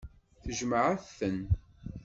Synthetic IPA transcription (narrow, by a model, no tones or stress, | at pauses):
θəʒməʕəθən